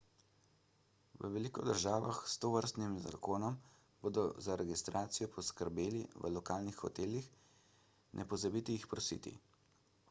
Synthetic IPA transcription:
ʋə̰ʋɛliːkɔd̪əɾʒaːʋaxst̪oːʋəɾst̪nimza̰koːnɔm | boːd̪ɔzaɾɛɡist̪ɾaːt̪sijɔpʰɔskəɾbeːliʋə̰lɔkaːlnixxɔt̪eːlix | nʔɛpɔzabiːt̪ijixpɾɔsḭːt̪ḭ

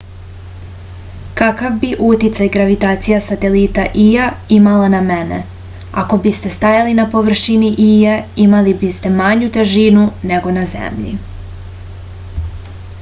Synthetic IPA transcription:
kakavbiʔut̪it̪sajɡɾaʋit̪aːt̪sijasat̪e̞lit̪aʔijaimalanamenḛ | a̰ko̞bist̪e̞st̪ajalinapo̞ʋr̩ʃiniʔijaimalibist̪e̞maɲut̪e̞ʒinune̞ɡo̞nazḛmʎḭ

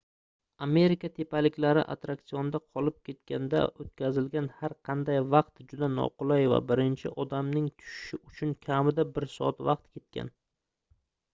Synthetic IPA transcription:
ame̞ɾɪkʲat̪ʰe̞palɪkʲlaɾɪ̰ʔa̰t̪ɾakt̪sijɒnɪd̪aqʰɒlɪp̚kʲʰe̞t̪̚kʲand̪a̰ot̪kʲʰazɪlɡʲanhaɾqʰɑnd̪ajvɑq̚t̪d͡ʒʊd̪anɒ̰qʰʊlˠajva̰bɪɾɪnt͡ʃʰɪʔɒd̪amnɪŋt̪ʰʊ̥ʃɪ̥ʃɪʊt͡ʃʰʊnkʲʰamɪd̪abɪɾsɒ̰at̪vɑq̚t̪kʲe̞t̪̚kʲa̰n

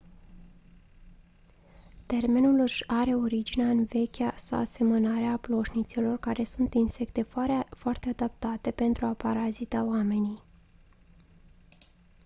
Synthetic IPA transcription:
t̪e̞rme̞nulɨʃaɾe̞o̞ɾid͡ʒineaɨnve̞kʲasa̰wase̞mənaɾeaplo̞ʃnit̪silo̞rkaɾe̞sunt̪inse̞kt̪e̞foart̪e̞ad̪ap̚t̪at̪e̞pe̞nt̪ɾuapaɾazit̪aoame̞ni

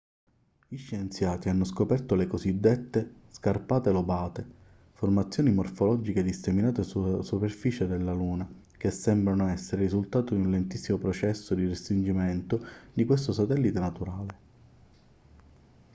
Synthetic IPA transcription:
iʃːent̪sjaːt̪ianːoskopɛrt̪olekozid̪ːet̪ːeskarpaːt̪elobaːt̪e | format̪sːjoːnimorfolɔd͡ʒiked̪iseminaːt̪esuasuperfiːt͡ʃed̪elːaluːna | kesːɛmbɾanoɛsːeɾeɾizult̪aːt̪od̪iunlent̪isːimopɾɔt͡ʃɛsːod̪irest̪ɾind͡ʒimɛnt̪od̪ikwest̪osat̪ɛlːit̪enat̪uɾaːle

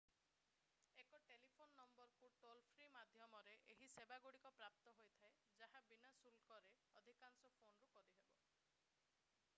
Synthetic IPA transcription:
ekɔʈelipʰonːɔmbɔɾkuʈolpʰɾimad̪ʱjɔmɔɾeʔeɦisebaɡoɽikɔpɾap̚t̪ɔɦojt̪ʰae | d͡ʒaɦabinasulkɔɾe | ɔd̪ʱikansɔpʰonɔɾukɔɾiɦebɔ

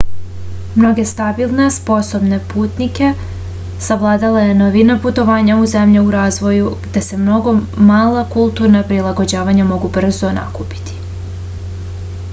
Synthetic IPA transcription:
mno̞ɡe̞st̪abilˠnespo̞so̞bne̞puːt̪nike̞ | saʋlˠaːd̪alajenoʋinaput̪o̞ʋaːɲauze̞mʎeuɾaːzʋo̞juɡd̪ese̞mno̞ɡo̞maːlˠakulˠt̪uɾnapɾilˠaɡo̞d͡ʑaːʋaɲamo̞ɡubr̩zona̰kupi̥t̪i̥

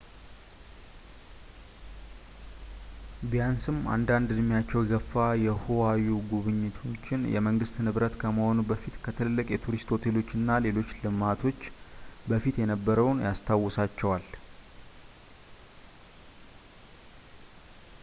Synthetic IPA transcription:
bijansɨma̰nd̪and̪ɨdmːijat͡ʃːɛwɛɡəfːajɛhowajuɡuβɨɲːɪt̪ʰo̞t͡ʃːɪnjɛ̰məŋɡɨst̪nɨβɾət̪kʰəməho̞nubəfit̪kʰət̪ʰɨlɨlːɨkʼjɛt̪ʰuɾist̪ʰo̞t̪ʰelo̞t͡ʃːɨnːale̞lo̞t͡ʃːlɨmat̪ʰo̞t͡ʃːbəfit̪jɛnəbːəɾəwnjast̪ʰawːɔsat͡ʃːɛwal

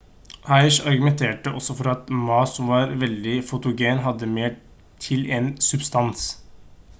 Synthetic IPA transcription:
hɑɪʂɑɾɡʉmɛnt̪ʰeːʈəʔɔsːɔfɔɾɑt̪mɑːsɔʋɑːɾʋɛld̪ɪfʊt̪ʊɡeːnɦɑd̪ːəmeː | ʈʰɪleːnsʉbst̪ɑns

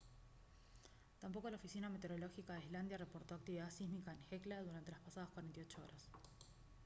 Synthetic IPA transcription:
t̪amp̬o̞ko̞laofisiname̞t̪eɾo̞lo̞xikaðeizland̪jarepo̞ɾt̪o̞ak̚t̪iβiðasizmikaenxeklaðuɾant̪e̞laspasaðaskwaɾent̪ijo̞t͡ʃoo̰ɾas

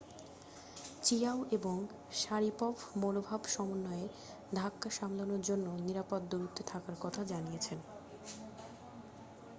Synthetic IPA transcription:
t͡ɕijaoʔeboŋ | ʃaɾipɔbʱmonobʱabʃɔmonːɔe | d̪ʱakːaʃamlonoɾd͡ʑonːoniɾapot̪ːuɾut̪ʰːot̪ʰakaɾkɔt̪ʰad͡ʑanijet͡ɕʰen

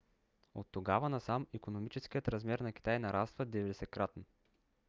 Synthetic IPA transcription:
o̰t̪ːoɡavɐnɐsamikonomit͡ʃɛskʲijət̪ɾɐzmɛɾnɐk̟i̥t̪ajnɐɾast̪vəd̪ɛvɛd̪ɛsɛkɾat̪n

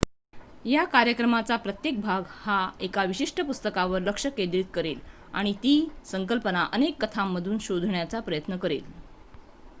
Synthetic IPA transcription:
jakaɾjəkɾəmat͡sapɾət̪jek̚bʱaɡhaekaʋiɕiʂʈʰəpust̪əkaʋəɾləkʂəkẽnd̪ɾit̪̚kəɾel | a̰ɽ̃it̪iːsəŋkəlpənaʔənekːət̪ʰamːəd̪ʱuːnɕod̪ʱɳjat͡sapɾəjət̪nəkəɾḛl

